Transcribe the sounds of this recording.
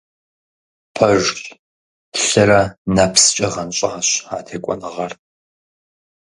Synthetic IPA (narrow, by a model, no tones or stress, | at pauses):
pʰɐʒɬ | ɬɐɾɐnapʰst͡ʃʼɐʁɐnɕʼɐaɕa̰ːtʰeːkʷʼɔ̰nɨʁɐr